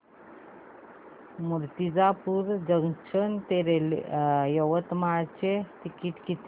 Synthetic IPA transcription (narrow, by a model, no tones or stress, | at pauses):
muɾt̪id͡zapuɾd͡ʑəŋʃənt̪eɾel̰jəʋət̪maɾt͡ɕet̪ikiʈ̪kit̪